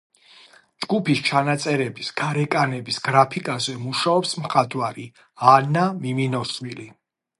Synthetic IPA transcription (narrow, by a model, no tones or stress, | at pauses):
d͡ʒɡupist͡ʃʰanat̪sʼɛɾɛbisɡ̥aɾɛkʼanɛbisɡ̥ɾapʰikʼazɛmuʃaɔpsmχad̪ʰʼwaɾi | anamiminɔswili